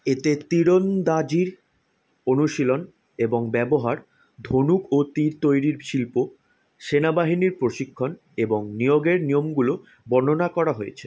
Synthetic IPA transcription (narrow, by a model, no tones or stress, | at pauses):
et̪et̪iɾond̪ad͡ʑiɾ | onuʃilon | eboŋbɛboɦaɾ | d̪ʱonukot̪iɾt̪ojɾiɾʃilpo | ʃenabaɦiniɾpɾoʃikʰːon | eboŋnijoɡeɾniomɡulo | bɔnonakɔɾaɦojet͡ɕʰe